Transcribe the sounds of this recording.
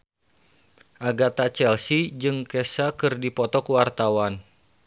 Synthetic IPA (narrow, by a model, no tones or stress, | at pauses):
ʔaɡat̪at͡ʃɛlsid͡ʒɨŋkɛsakɨrdipɔt̪ɔkuwart̪awan